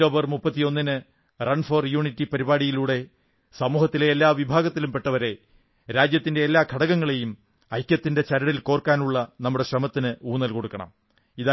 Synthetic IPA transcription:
o̞ːbɐrmupːɐt̪ːijo̞nːinɨ | rɐɳfoːrjuːɳitːipɐɾibaːɽijiluːɽe̞ | sɐmuːhɐt̪ːileːlːaːʋibʱaːɡɐt̪ːilumpe̞ʈːɐʋɐɾe̞ | ɾaːd͡ʑjɐt̪ːinde̞ːlːaːkʰɐɽɐɣɐŋːɐɭe̞jum | ɐjkʲjɐt̪ːinde̞t͡ɕɐɾɐɽilko̞ːrkːaːnuɭːɐnɐmːuɽe̞ɕrɐmɐt̪ːinɨuːnɐlkoɽukːɐɳɐ̰m | iða

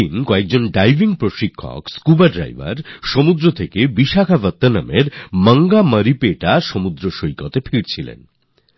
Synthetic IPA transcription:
inkɔek̚d͡ʑonɖajbʱiŋpɾoʃikʰːo̰kskubaɖɾa̰jbʱa̰ɾʃomud̪ɾot̪ʰekebiʃakʰabət̪ːana̰meɾmaŋɡaməɾipeʈaʃomud̪ɾoʃojkot̪efʰiɾt͡ɕʰilḛn

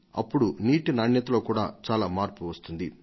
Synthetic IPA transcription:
ɐ̰pːuɽuniːʈinaːɳjɐt̪ɐlo̞ːkuːɽa̰ːt͡ʃaːlaːmaːɾpuʋɐst̪und̪i

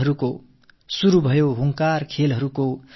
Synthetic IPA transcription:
ʌɾuko | suɾubʱʌjoɦuŋkarkʰelɦʌɾuko

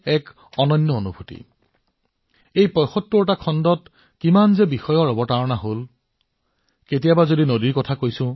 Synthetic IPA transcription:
ɛk | ɔnɔnːɔonubʱutḭ | ejpɔjxɔtːuɹtakʰɔndɔt | kimanzɛbixɔjɔɹɔbɔtaɹɔnaɦol | ketijabazodinodiɹkɔtʰakojsʊ̃

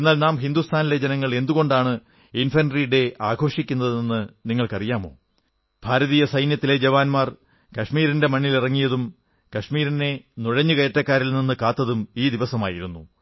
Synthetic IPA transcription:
e̞nːaːlnaːmɦind̪ust̪ʰaːniled͡ʑenɐŋːɐɭe̞nd̪uɣo̞ɳɖaːɳɨ | infɐnriɽe̞ʔaːɡʱo̞ːʂikʲːunːɐðinenːɨniŋːɐɭkɐrijaːmo̞̰ː | b̥ʱaːɾɐðiːjɐsɐjnjɐt̪ːile̞d͡ʑɐʋaːnmaːr | kɐʂmiːɾinde̞mɐnːilirɐŋːijɐðum | kɐʂmiːɾine̞nuɻɐɲːukɐjɐtːɐkːaːɾilninːɨkaːt̪ːɐðumiːd̪iʋɐsɐmaːjiɾunːu

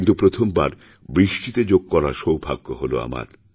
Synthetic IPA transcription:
nt̪upɾot̪ʰombaɾ | bɾiʃʈit̪ed͡ʑoɡ̚kɔɾaʃowbʱa̰ɡːoɦolo̰a̰ma̰ɾ

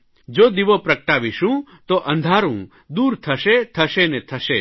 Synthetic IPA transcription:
d͡ʒoːd̪iʋopɾɐk̚ʈaːʋiʃũː | t̪oʔɐ̃nd̪ʱaːɾũː | d̪uːɾt̪ʰɐʃet̪ʰɐʃenet̪ʰɐʃe

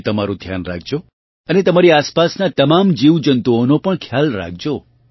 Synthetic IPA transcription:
t̪əmaɾũd̪ʱja̰nɾa̰k̚ʰd͡ʒo | ənet̪əmaɾiaspasnat̪əmamd͡ʒiʋd͡ʒənt̪uonopəɳkʰjalɾa̰k̚ʰd͡ʒo

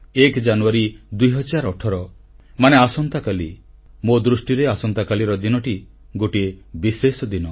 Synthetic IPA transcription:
ekd͡ʒanuaɾid̪ujɦɔd͡ʒaɾɔʈʰɔɾɔ | maneasɔnt̪akali | mod̪ɾusʈiɾeasɔnt̪akaliɾɔd̪inɔʈi | ɡoʈiebisesɔd̪inɔ

